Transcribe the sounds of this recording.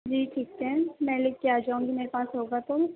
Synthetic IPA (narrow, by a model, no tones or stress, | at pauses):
d͡ʒiːʈʰiːk̚t̪ɦɛ̃mɛ̃lekkːeaːd͡ʒaːũŋɡimeːɾepaːsɦoːɡat̪o